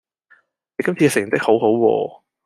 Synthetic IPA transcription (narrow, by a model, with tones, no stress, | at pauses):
ne˨˧jkɐ˥mt͡sʰi˧kːɛ˧˩sɪ˨˩t̪ɪ˥k̚ho˨˥wɦo˨˥wwɔ̰ː˧